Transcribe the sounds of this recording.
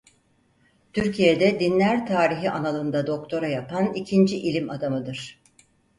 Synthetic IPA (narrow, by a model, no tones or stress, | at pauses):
t̪ʰyɾcʰijed̪ɛd̪inlʲæɾt̪ʰaːɾiɦiʔanalˠɯnd̪ad̪o̞k̚t̪ʰo̞ɾajapʰanicʰind͡ʒiʔilʲimad̪amɯd̪ɯɾ̥